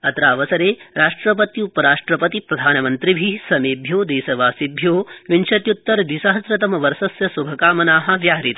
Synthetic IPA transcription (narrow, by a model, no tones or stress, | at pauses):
ɐt̪ɾaːʋɐsɐɾeːɾaːʂʈɾɐp̬ɐt̪iupɐɾaːʂʈɾɐpɐt̪ipɾɐd̪ʱaːnɐmɐnt̪ɾibʱisɐmeːbʱjoːd̪eːsɐʋaːsibʱjoːʋinʃɐt̪jut̪ːɐɾd̪isɐɦɐsɾɐt̪ɐmɐʋɐɾsɐsjɐsubʱɐkaːmɐnaːɦɐ̆ʋjaːɾit̪ɐ